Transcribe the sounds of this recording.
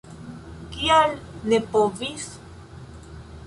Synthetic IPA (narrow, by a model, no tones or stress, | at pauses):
kialnepovis